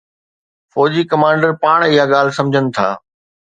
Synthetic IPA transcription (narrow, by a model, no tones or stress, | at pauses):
fɔːd͡ʑikɐmãːɳɖəɾpaːɽ̃ɪɦaɠaːl̤ɪsɐ̃md͡ʑʱənɪ̆t̪ʰa̰ː